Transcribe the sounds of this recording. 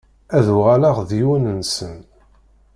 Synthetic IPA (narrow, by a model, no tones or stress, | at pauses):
æðuʁalaʁðiwənənsən